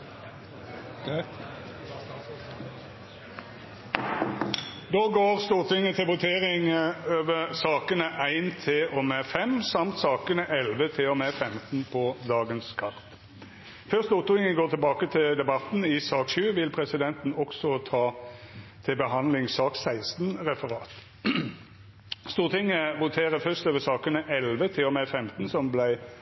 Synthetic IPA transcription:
d̪oːɡoːʁst̪uːʁt̪ʰɪŋːət̪ʰɪlʋʊt̪ʰeːʁɪŋøːʋəʁsɑːkənəʔæɪnt̪ʰɪlɔmeːfɛmsɑmt̪sɑːkənəʔɛlʋət̪ʰɪlɔmeːfɛmt̪n̩pʰɔd̪ɑːɡənskʰɑʁt̪ | fœʁst̪ʊt̪ʊɪŋəɡoːʁt̪ʰɪlbɑːkət̪ʰɪld̪ɛbɑt̪nɪsɑːkʃʉːʋɪlpʰʁɛsɪd̪ɛnt̪n̩ɔksɔt̪ʰɑː | t̪ʰɪlbəɦɑnlɪŋsɑːksæɪst̪nʁɛfəʁɑːt̪ | st̪uːʁət̪ʰɪŋːəʋʊt̪ʰeːʁəfœʁst̪øːʋəsɑːkənəʔɛlʋət̪ʰɪlɔmɛfɛmt̪n̩sɔmblæɪ

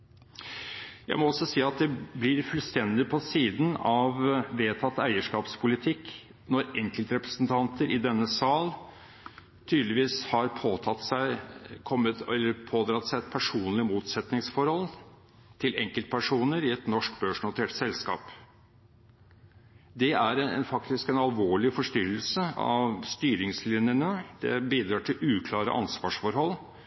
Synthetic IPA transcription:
jæ̰ɪmɔɔsɔsiːɑt̪̚d̪ɛblɪɾfʉlst̪ɛnd̪ɪpʰɔsiːd̪n̩ɑʋʋeːt̪ʰɑt̪ːæɪəʂkɑːpspʰʊlɪt̪ʰɪk | nɔɾɛŋkəlt̪ɾɛpɾəsnt̪ʰɑnt̪əɾɪd̪ɛnːəsɑːl | t̪ʰyːd̪lɪʋiːshɑɾpʰoɑt̪sæɪkʰɔmːəɛlːəɾpʰoːd̪ɾɑt̪sæɪɛt̪̚pʰæʂuːnlɪmuːt̪sɛt̪nɪŋsfɔɾhɔl | t̪ʰɪlʔɛ̰ŋkəlt̪̚pʰæʂuːnəɾɪɛt̪nɔʂkbøːʂɳʊt̪ʰeːʈsɛlskɑ̰ːp | d̪ɛæɾɛnfɑkt̪ɪskɛnɑlʋoːɭɪfɔʂt̪ʏɾəlsəɑ̰ʋst̪yːɾɪŋslɪnjənəd̪ɛ̰biːd̪ɾɑːʈʰɪlʔʉːkʰlɑːɾə̰ʔɑ̰nsʋɑːʂfɔɾhɔlː

